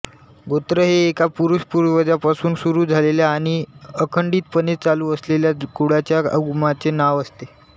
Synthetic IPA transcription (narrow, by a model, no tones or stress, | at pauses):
ɡot̪ɾəɦeːkapuɾuɕpuɾʋəd͡ʑjapasuːnsuɾuːd͡zʱaleljaːɽ̃iəkʰəɳɖiːt̪̚pənet͡saluːəsleljakuɽat͡ɕjaəɡumat͡senaʋəst̪e